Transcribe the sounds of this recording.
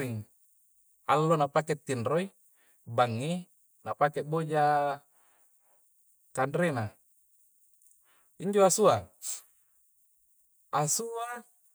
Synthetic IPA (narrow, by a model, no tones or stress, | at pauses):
iŋ | alːonapaket̪ːinroi | baŋːi | napakeʔbod͡ʒa | kandɾena | iɲd͡ʒoasua | asua